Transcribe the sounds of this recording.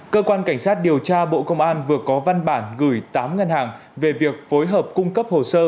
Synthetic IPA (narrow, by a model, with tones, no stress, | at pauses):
kəː˧kwaː˧nka˧˩jŋ̟saː˦˥t̚ɗi˨˩əwt͡ɕaː˧ɓo̰˧˨kə˧wŋ͡mʔaː˧nvɨ˨˩əkɔ˨˦va˧nɓaː˧˩nɣɨ˧˩jt̪aː˨˦mŋə˧nhaː˨˩ŋ | ve˨˩vi˨˩ək̚fo˨˦jɦəː˨˩p̚kʊ˧ŋ͡mkə˦˥p̚ho˨˩səː˧